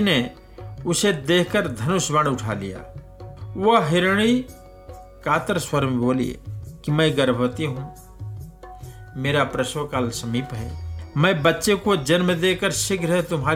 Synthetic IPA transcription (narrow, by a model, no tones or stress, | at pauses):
ne | ʊsed̪eːkʰkəɾd̪ʱɐnʊsbə̃ɳɖʊʈʰa̰ːlija̰ː | ʋoɦɪɾɽ̃i | kaːt̪əɾswəɾmboːlḭḛkimə̃ɡəɾbʱʋət̪iɦũ | meːɾapɾəʃʋəkaːlsɐmiːpɦɛ̰ːmɛ̃bɐtːʃekod͡ʒɐnmd̪eːkəɾʃɪkʰɾɐɦet̪ʊmɦaː